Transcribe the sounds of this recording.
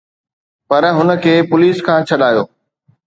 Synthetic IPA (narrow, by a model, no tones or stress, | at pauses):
pɐɾɦʊnə̆kʰeːpʊliːskʰãːt͡ɕʰɐɗaːjoː